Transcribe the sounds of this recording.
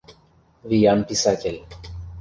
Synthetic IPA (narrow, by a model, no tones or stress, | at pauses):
vijanpisakel